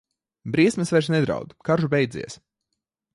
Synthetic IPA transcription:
bɾiɛsmɛsvɛɾʃnɛd̪ɾa̰wd̪kaɾʒubɛjd̪zʲḭɛs

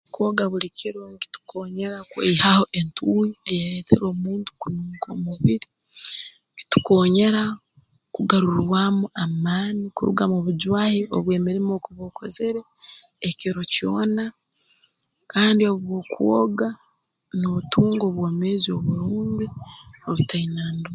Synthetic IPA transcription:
kwoɡaβuɾicʰiɾoŋkitu̥kʰo̞ːɲe̞ɾakwḛihaho̞ʔe̞ntʰuwiejaɾeːtʰḛɾo̞ːmuːntu̥kunuŋkomuβiɾi | ki̥tu̥ko̞ːɲe̞ɾa | kuɡaɾuɾwamuʔamaːnikuɾṵɡamoβuɟwaːhiʔo̰βwe̞ːmeɾemokuβokʰo̞ze̞ɾe̞ː | ciɾo̞cjo̞̰ːna | kaːndio̞βwo̞ːkʰuwoɡa | notuːŋɡo̞ːβwoːmeːzio̞̰βuɾuːɲdioβutʰainaːndu

